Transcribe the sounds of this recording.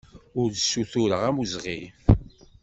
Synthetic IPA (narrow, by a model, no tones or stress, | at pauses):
ʊɾsːuθuɾəʁæmuzʁif